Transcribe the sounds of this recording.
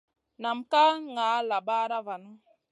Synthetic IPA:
na˨m̩˨ka˦ŋa˨˦la˨ba˦ɾa˦va˨nɔ˦

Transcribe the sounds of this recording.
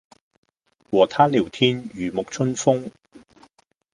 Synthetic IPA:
wɔː˨˩t̪ʰaː˥liː˨˩wt̪ʰiː˥njyː˨˩mʊ˨k̚t͡ʃʰɵ˥nfʊ˥ŋ

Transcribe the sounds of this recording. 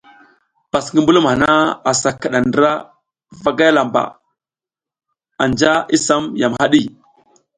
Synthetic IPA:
pa˨sŋɡi˦mbu˦lu˦mha˨na˦a˨sa˨ka˨ɗa˨ndə˦ɾa˦ | va˦ɡa˦ja˦la˨mba̰˨ | a˨nd͡ʒa˦i˦sa˦mja˨mha˦ɗi˦˨

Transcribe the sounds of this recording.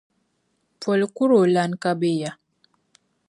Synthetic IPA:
fɔ˨lku˦ɾo˨la˨nka˦be˦˨ja˨

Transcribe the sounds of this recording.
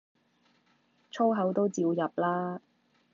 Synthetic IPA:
t͡ʃʰo˥ɦɐ˨˥wt̪o˥wt͡siː˧wjɐ˨p̚laː˥

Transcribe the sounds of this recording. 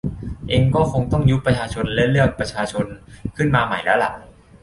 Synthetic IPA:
ʔeː˧ŋkɔː˥˩kʰo˧ŋt̪ɔ˥˩ŋju˦˥pːɾa˧t͡ɕʰaː˧t͡ɕʰo˧nlɛ˦˥lɯ˥˩ək̚pɾa˧t͡ɕʰaː˧t͡ɕʰo˧nkʰɯ˥˩nmaː˧ma˨˩jlɛː˦˥la̰˨˩ʔ

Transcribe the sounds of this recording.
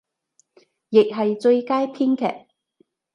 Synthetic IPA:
jɪ˨k̚ɦɐ˨jt͡sɵ˧ɥkaː˥jpʰiː˥nkʰɛ̰ː˨k̚

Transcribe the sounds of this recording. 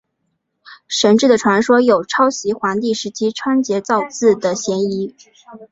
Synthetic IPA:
ʂə˧˥nʈ͡ʂɻ̩˥˩d̪ə˩ʈ͡ʂʰwa˧˥nʂwɔ˥jo˨˩ʊʈ͡ʂʰɑ˥ʊɕi˧˥xwa˧˥nt̪i˥˩ʂɻ̩˧˥t͡ɕʰi˥ʈ͡ʂʰwa˥nt͡ɕjɛ˧˥t͡sɑ˥˧ʊt͡sɹ̩˥˩d̪ə˩ɕjɛ˧˥ni˧˥

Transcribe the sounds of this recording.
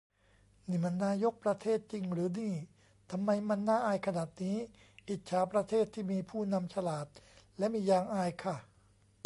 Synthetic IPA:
niː˥˧˩ma˧nːaː˧˥˨jo˦˥k̚pɾa˧t̪ʰeː˥˩t̪̚t͡ɕi˧ŋɾɯː˩˦niː˥˩ | t̪ʰa˧mːa˧jma˧nːaː˥˩ʔaː˧jkʰa˧naː˨˩t̪̚niː˦˥ | ʔi˨˩t̪̚t͡ɕʰaː˨˦pɾa˧t̪ʰeː˥˩t̪ʰːiː˥˩miː˧pʰuː˥˩na˧mt͡ɕʰa˧laː˨˩t̪̚lɛ˦˥ʔmiː˧jaː˧ŋʔaː˧jkʰa˥˩

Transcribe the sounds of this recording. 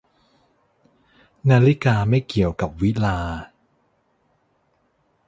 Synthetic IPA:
naː˧li˦˥kaː˧ma˥˩jki˨˩əwka˨˩p̚wi˦˥laː˧

